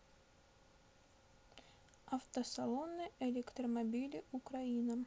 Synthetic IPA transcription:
ɐft̪əsɐlˠonːɨjelʲekt̪rəmɐbʲilʲɪʊkɾɐinə

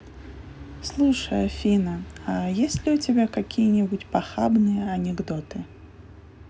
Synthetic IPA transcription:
slˠuʂɐjɐfʲinɐɐjesʲlʲɪut͡sʲɪbʲakakʲʰijɐnʲɪbut͡sʲpaxabnɨjɐɐnʲɛɡd̪ɔt̪ɨ

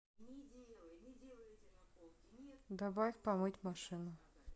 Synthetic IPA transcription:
d̪ɐbajxʲpɐmɨtʲmɐʂɨnʊ

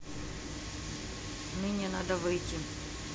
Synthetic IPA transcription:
nɨnʲɪnad̪əvɨjtʲi

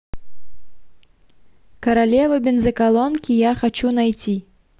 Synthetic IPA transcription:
kɐɾalʲɛvɐbʲɛnzɐkalˠɔnkʲijaxat͡ʃunajt͡sʲi

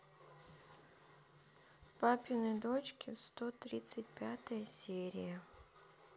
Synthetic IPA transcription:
papʲɪnɨd̪ot͡ɕkʲʰɪfst̪ot̪ɾʲit̪sɨt̚ʲpʲat̪əjəsʲeɾʲɪ̰jə

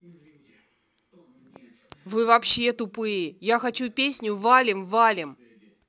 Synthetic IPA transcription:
vɨvɐpɕːet̪ʊpɨjɪjaxɐt͡ɕupʲesʲnʲʊvalʲɪmvalʲɪm

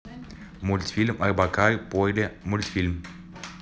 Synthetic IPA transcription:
mult̪sʲfilmʔarbakaɾʲpojd̪emult̪ʲfilmʲ

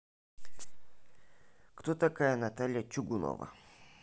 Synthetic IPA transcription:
kt̪ot̪ɐkajənɐt̪alʲjət͡ʃʊɡʊno̰və̰

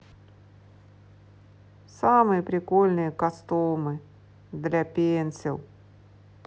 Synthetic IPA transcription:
samɨjəpɾʲɪkolʲnɨjəkɐst̪omɨ | d̪lʲapʲenʲsʲɪlˠ

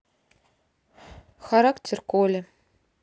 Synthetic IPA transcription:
xaɾɑktʲerkolʲɘ̆

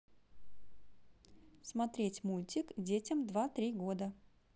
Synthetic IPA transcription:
smɐt̪ɾʲetʲmulʲtʲɪkdʲetʲəmd̪vat̪ɾʲiɡo̞d̪ə

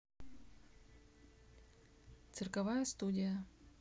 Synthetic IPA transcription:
t̪sɨrkɐvajəst̪udʲɪjə

